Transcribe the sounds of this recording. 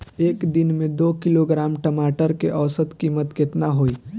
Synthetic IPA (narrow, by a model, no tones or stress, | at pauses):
eːkd̪ɪnmẽd̪oːkɪloɡɾaːmʈəmaːʈəɾkeʔəʋsət̪kiːmət̪ket̪naɦoːi